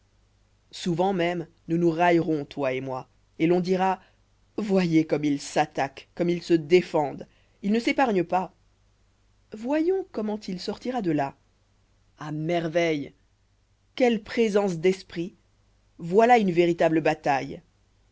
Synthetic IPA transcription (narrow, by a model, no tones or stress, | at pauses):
suvɑ̃mɛm | nunuʁajʁɔ̃t̪waemwa | elɔ̃d̪iʁa | vwajekɔmilsat̪akːɔmilsəd̪efɑ̃d̪ | ilnəsepaʁɲəpa | vwajɔ̃kɔmɑ̃t̪ilsɔʁt̪iʁad̪əla | amɛʁvɛj | kʲɛlpχezɑ̃s̬d̪ɛspχi | vwalaynveʁit̪abləbat̪aj